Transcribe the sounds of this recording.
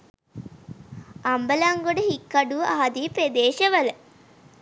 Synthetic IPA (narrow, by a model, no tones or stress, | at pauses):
ambəlaŋɡoɖəɦikːaɖuʋəaɦad̪ipɾed̪eːʃəʋələ